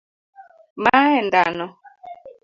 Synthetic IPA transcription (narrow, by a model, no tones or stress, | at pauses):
maɛndanɔ